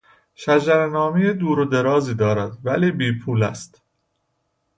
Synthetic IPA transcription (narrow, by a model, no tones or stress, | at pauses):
ʃæd͡ʒæɾenɒːmijed̪uːɾod̪e̞ɾɒːziːd̪ɒːɾæd̪væliːbiːpʰuːlæ̰st̪